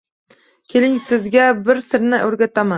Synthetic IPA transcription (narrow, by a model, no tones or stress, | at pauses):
kʲʰelɪŋsɪzɡʲabɪɾsɪɾnɪʔɵɾɡʲat̪ʰama